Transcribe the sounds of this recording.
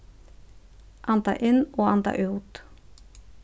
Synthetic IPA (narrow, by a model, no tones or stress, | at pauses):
ʔant̪a̰ʔɪnːɔand̪a̰ʔʉːt̪